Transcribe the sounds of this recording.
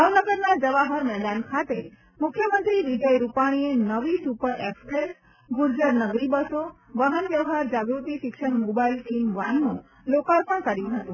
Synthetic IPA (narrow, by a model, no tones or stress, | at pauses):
bʱaʋnəɡəɾnad͡ʒəʋaɦəɾmɛd̪ankʰat̪e | mʊkʰjəmənt̪ɾiʋid͡ʒəjɾupaɽ̃ienəʋisupəɾekspɾes | ɡuɾd͡ʒəɾnəɡɾibəsoʋəɦənʋjəʋɦaɾd͡ʒaɡɾut̪iʃɪkʃəɽmobailt͡ʃinʋanːũ | lokaɾpəɳ̃kəɾjũɦət̪ũ